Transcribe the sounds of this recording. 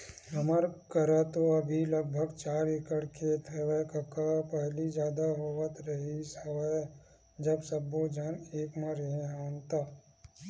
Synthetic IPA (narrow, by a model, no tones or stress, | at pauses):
ɦəməɾkəɾat̪oɐbʱiləɡ̚bʱəɡt͡ʃaːɾekəɽkʰeːt̪ʰɦɛʋɛkəkapɛɦlid͡ʒjaːd̪aɦoət̪ɾəɦisəʋə | d͡ʒəbsəbod͡ʒaːneːkmaɾɦẽɦaːnt̪aː